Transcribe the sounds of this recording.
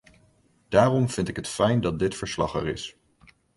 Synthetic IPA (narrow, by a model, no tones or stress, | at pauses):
d̥aːrɔmv̥ɪntɪkɦətfɛjndɑt̚dɪtfəɹslɑ̰χə̰rɪ̰s